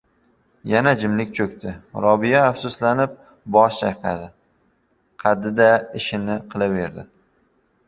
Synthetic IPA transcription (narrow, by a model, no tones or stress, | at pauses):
janad͡ʒɪmlɪkʲt͡ʃʰɵkʲt̪ʰɪɾɒbɪjaːfsʊslanɪp̚ | bɒʃt͡ʃʰajqʰɑ̰d̪ɪ | qʰɑd̪ɪd̪aɪʃɪnɪqʰɨlˠave̞ɾd̪ɪ